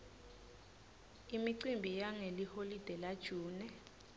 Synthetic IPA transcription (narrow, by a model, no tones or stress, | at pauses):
imiǀimbʱijaŋeliholid̥ʱɛlad̥ʒ̥ʱuːnɛ